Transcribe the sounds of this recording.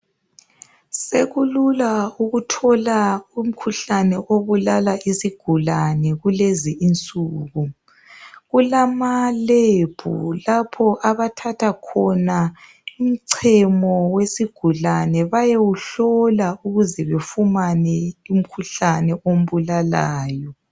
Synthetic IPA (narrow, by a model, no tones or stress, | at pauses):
seɣululauɣutʰɔlaum̩kʰuɬanɛʔoβulalaʔisiɡ̥ʱulanɛɣuleziint͡sʼuːɣu | ɣulamaleb̥ʱṵlapʰɔʔaβatʰatʰakʰɔna | um̩ǀʰɛmɔwesiɡ̥ʱulanɛβajewuɬɔlauɣuzɛβefumanɛum̩kʰuɬanɛʔom̩βulalaːjɔ